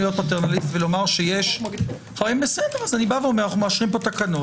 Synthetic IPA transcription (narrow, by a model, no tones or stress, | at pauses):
ijot̪pat̪eʁnalitt̪velo̞maʁʃejeʃ | χaeimbesed̪eʁazanibaveomeanaχumaʃʁimpo̞t̪akanu